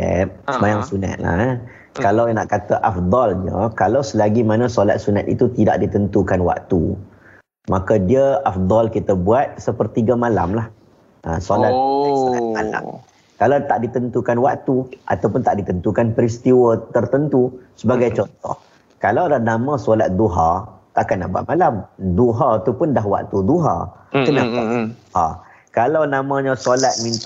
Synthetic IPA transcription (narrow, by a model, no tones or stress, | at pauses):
ɛ̰p̚səmajaŋsuna̰t̪̚la̰ | kalawna̰ʔkat̪aʔafd̪ɔlɲəkalawsəlaɡimanə̃sola̰t̪̚sunat̪ḭt̪ut̪ida̰ʔdit̪ənt̪ukanwa̰ʔ̚t̪ṵ | makadiəafd̪ɔlkit̪əbuat̪̚səpərt̪iɡəmãla̰mlah | ʔə̰solaasamala̰m | kalawt̪aʔdit̪ənt̪ukanwakt̪uʔa̰t̪awpʊnt̪aʔdit̪ənt̪ukanpəɾist̪iwət̪ərt̪ənt̪usəbaɡajt͡ʃɔnt̪ɔ̰h | kalawdanamãsolat̪̚d̪uɦat̪aʔkanːa̰ʔbua̰t̪̚malamd̪uɦat̪upʊndaɦwa̰ʔ̚t̪ud̪uɦa̰kənapad̪uha̰ | kalawnamãɲə̃solat̪̚mint̪